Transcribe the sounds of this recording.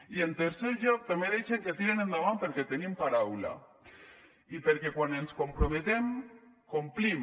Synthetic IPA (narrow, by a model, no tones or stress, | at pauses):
ient̪eɾseɾʎok̚t̪ameðit͡ʃeŋket̪iɾenend̪aβampeɾket̪enĩmpaɾawla̰ | ipeɾkekwanenskompɾomet̪emkomplim